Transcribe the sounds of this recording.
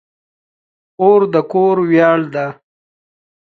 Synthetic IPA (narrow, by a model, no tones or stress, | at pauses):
oɾd̪əkoɾwjɑːɽd̪a